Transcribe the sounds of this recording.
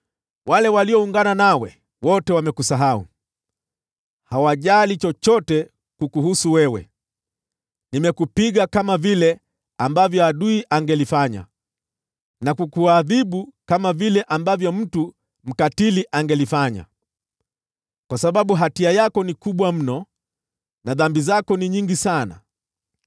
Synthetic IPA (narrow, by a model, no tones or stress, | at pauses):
walɛwaliɔuŋɡananawɛ | wɔtɛwamɛkusaɦaṵ | hawaʄalit͡ʃɔt͡ʃɔtɛ | kukuhusuwɛwɛ̰ | nimɛkupiɠakamavilɛ | ambavjɔaɗuiʔaŋɡɛlifaɲa̰ | nakukuaðiɓukamavilɛʔambavjɔm̩tu | m̩katiliʔaŋɡɛlifaɲa̰ | kwasaɓaɓuɦatiajakɔnikuɓwam̩nɔ | naðambizakɔniɲiŋɡisana̰